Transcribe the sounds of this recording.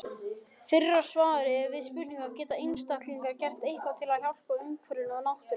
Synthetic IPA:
fɪrːḁsvaːðʏɾɪɛɾvɪðspʏniŋkawcɛːt̪aejnst̪ahk̪liŋkaɾcɛr̥t̪ejhkvat̪ʰɪlaðçawl̥paʏmkʰvœɾɪnanawht̪ʏ

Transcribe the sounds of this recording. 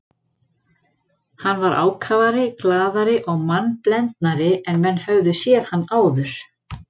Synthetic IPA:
hanːvaɾa̰ːwkʰavaɾɪklaːðaɾɪʔɔɣmanːplɛnt̪naɾɪɛnmɛnːhœɣðʏsjɛːð̥hanːaːwðʏɾ̥

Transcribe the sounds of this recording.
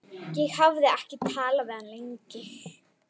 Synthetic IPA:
jɛɣhavðɪahcɪt̪ʰaːlavɛðanleɲcɪ

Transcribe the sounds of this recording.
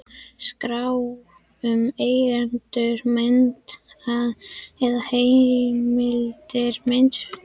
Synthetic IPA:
skɾaw | ʏmejɣant̪ʏɾmɛnt̪aðɛðahejmɪlt̪ɪɾment̪

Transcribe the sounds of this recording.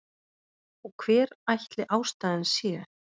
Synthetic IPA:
ɔɣkʰv̥ɛːɾajht̪lɪʔaːwst̪aːðɪnsjɛ

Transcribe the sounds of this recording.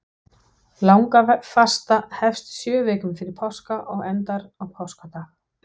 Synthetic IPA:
lawŋkafast̪ahɛfst̪sjœːvɛːkʏmfɪɾɪɾ̥pʰawskaʔɔɣɛnt̪aɾɔɣpʰawskat̪a

